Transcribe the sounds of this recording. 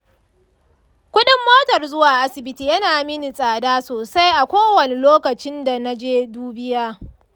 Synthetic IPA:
kʷʊ˦ɗɪ˦mːoː˦tɐ˨rzʊ˦waː˨ʔa˦sɪ˨bɪ˦tiː˦jɐ˦naː˨mɪ˦ni˨sʼaː˨daː˦soː˨sa˦jʔa˨kʷoː˦wɐ˨ne˨loː˦kɐ˨t͡ʃɪ˦nda˨na˦d͡ʒeː˦duː˦bɪ˦jaː˦

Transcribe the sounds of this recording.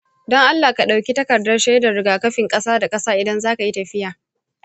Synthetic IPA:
dɔ˦ŋʔa˦lːaː˨ka˨ɗa˨wkʲi˦tɐ˦kɐ˨rdɐ˦rʃa˦jda˨ɽɪ˨ɡaː˨kɐ˦ɸɪ˨ŋkʼɐ˦saː˦da˨kʼɐ˦saː˦ʔɪ˨dɐ˦nzaː˦ka˨ji˦tɐ˨ɸɪ˦jaː˨

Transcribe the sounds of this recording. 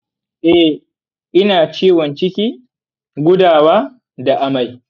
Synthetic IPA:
ʔɛ˦ | ʔɪ˦naː˨t͡ʃiː˦wɔ˨nt͡ʃɪ˦kʲiː˦ | ɡʷʊ˦daː˨waː˦ | da˨ʔa˦ma˨j

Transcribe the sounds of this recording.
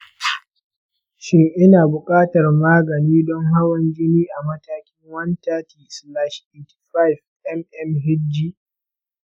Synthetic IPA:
ʃɪ˦ŋʔɪ˦naː˨bʊ˨kʼaː˦tɐ˨rmaː˦ɡɐ˨niː˦dɔ˦ŋɦa˦wɐ˦nd͡ʒɪ˦niː˦ʔa˨mɐ˦taː˦kʲɪ˦ŋwɐ˦ntaː˦tiː˨sla˦ʃeː˨t | ɸa˦˨jf | ʔɛ˦mʔɛ˦mɦɪ˦dd͡ʒiː˦

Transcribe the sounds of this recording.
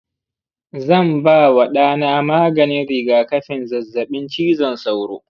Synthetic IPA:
zɐ˦˨mbaː˦wɐ˨ɗaː˦naː˦maː˦ɡɐ˨nɪ˦nɽɪ˨ɡaː˨kɐ˦ɸɪ˨nzɐ˨zːɐ˨ɓɪ˦nt͡ʃiː˦zɐ˨nsa˦˨wɽo̰ː˦

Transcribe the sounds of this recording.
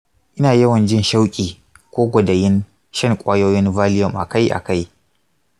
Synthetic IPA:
ʔɪ˦naː˨jɐ˦wɐ˨nd͡ʒɪ˦nʃa˦wkʲʼiː˨ | kʷoː˦ɡʷɐ˨dɐ˨jɪ˦n | ʃɐ˦ŋkʷʼaː˦joː˦jɪ˦nvaː˦lɪ˦jɔ˨mʔa̰˨ka˦jʔa̰˨ka˦j

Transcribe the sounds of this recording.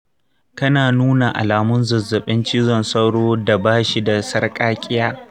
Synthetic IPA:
kɐ˦naː˨nuː˦na˨ʔa̰˨laː˨mʊ˦nzɐ˨zːɐ˨ɓɪ˦nt͡ʃiː˦zɔ˨nsɐ˦wɽoː˦da˨baː˦ʃi˦da˨sɐ˦rkʼaː˦kʲʼɪ˦jaː˦

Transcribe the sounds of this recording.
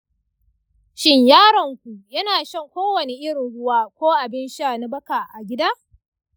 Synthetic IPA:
ʃɪ˦ɲjaː˦ɾɐ˨ŋkʷu˨jɐ˦naː˨ʃɐ˦ŋkʷoː˦wɐ˨ne˦ʔɪ˦ɾʊ˨ɽʊ˦waː˦kʷoː˦ʔa˨bɪ˦nʃa˨na˦bɐ˦ka˨ʔa˨ɡʲɪ˦daː˦

